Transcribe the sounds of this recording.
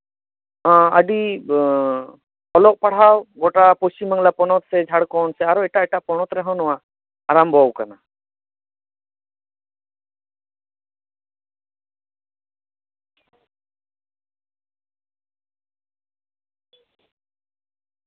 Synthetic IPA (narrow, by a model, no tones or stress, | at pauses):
aəɖi | ɔlɔʔpaɽ̤awɡɔʈapɔst͡ʃiməŋlapɔnɔt̪̚sɛd͡ʒʱaɽkɔnsɛaɾɔɛʈaʔɛʈaʔpɔnɔt̪ɾaɦɔ̃wnɔwaː | ɾambʱɔwkana